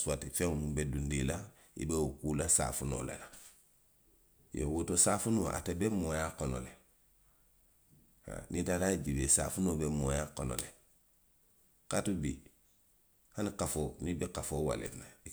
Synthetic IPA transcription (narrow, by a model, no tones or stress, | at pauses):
suatifeŋmubedundila | ḭbewukulasa̰funo̰ːla̰la | jo̰wotosafunoʔa̰tebemojakono̰le | ha̰nitalaɟibesa̰funobemojakono̰le | katubi | hanikafonibekafoːwa̰lḛfna